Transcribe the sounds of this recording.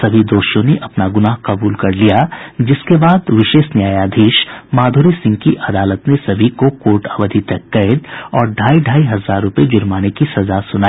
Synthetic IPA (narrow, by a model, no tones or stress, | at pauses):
sɐbʱid̪oːʃjõneʔɐpnaɡʊnaːɦqɐbuːlkɐɾlijad͡ʒɪskebaːd̪ʋɪʃeːʃnjaːjaːd̪ʱiːʃmaːd̪ʱuːɾisɪ̃ŋɡ̚kiʔɐd̪aːlət̪nesɐbʱikokoːʈaːʋəd̪ʱit̪ɐkːɐɪd̪ɔːɾɖʱaːiɖʱaːiɦɐzaːɾːʊped͡ʒʊɾmaːnekisɐzasʊnaːi